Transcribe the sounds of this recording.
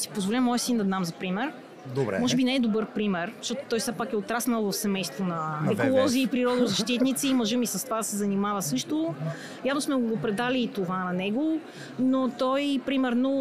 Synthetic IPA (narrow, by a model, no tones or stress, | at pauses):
si̥pozvolʲəmɔjəsind̪ɐd̪amzɐpɾimɛɾ | d̪obɾɛ̰mɔʒɛbinɛɛd̪obɤɾpɾimɛɾzʃtɔt̪o̥t̪ɔjsɛpakɛot̪ɾasnɐlˠvɐfsɛmɛjst̪vonɐɛkolˠɔziːpɾiɾɔd̪nozɐʃt̪it̪nit̪siːmɔʒəmisɐst̪ovad̪ɐsɛzɐnimavɐsɤʃt̪o | javnosmɛɡoɡopɾɛd̪aliːt̪ovanɐnɛɡo | not̪ɔjpɾimɛɾno